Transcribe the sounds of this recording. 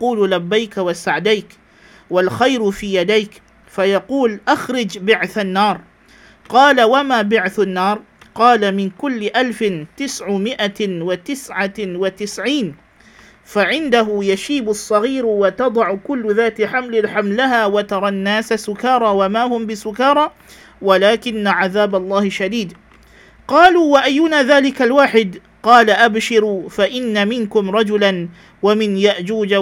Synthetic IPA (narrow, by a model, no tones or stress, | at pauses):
quːllabːajkawasaʕd̪ajk | walxajɾfiːjad̪ajk | fajɑquːlʔaxɾˤɪd͡ʒbɪʕθanːɑːɾˤ | qɑːlawamaːbɪʕθanːɑːɾˤ | qɑːlamɪnkʊlːɪʔalfɪt̪ɪsʕʊmɪʔawat̪ɪsʕawat̪ɪsʕiːn | faʕɪnd̪aɦʊjaʃiːbʊsˤːɑɣiːɾwat̪ɑd̪ˤɑʕʊkʊlːʊðaːt̪ɪħamlɪlħamlaɦaːwat̪ɑɾˤɑnːaːsasʊkɑːɾˤɑːwamaːhʊmbɪsʊkɑːɾˤɑ | walaːkɪnːaʕaðaːbalˤːɑːhɪʃad̪iːd̪ | qɑːluːwaʔajːʊnaːðaːlɪkalwaːħɪd̪ | qɑːlaʔabʃɪɾʊfaʔɪnːamɪnkʊmɾˤɑd͡ʒʊlan | wamɪnjaʔd͡ʒuːd͡ʒa